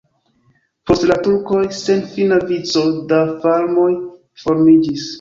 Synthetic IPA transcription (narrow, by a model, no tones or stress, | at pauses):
po̞stlatuɾko̞jse̞nfinavit͡so̞dafalmo̞j | fo̞ɾmid͡ʒis